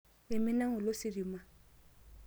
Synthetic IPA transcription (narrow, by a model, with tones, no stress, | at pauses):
ɪ˨mɪ˦na˦ŋʊ˨lo˦sɪ˨ɾi˨ma˦